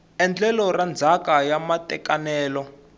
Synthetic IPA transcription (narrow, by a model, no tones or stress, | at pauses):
ɛnd͡ɮɛlɔrand͡zʱakajamatɛkanɛːlɔ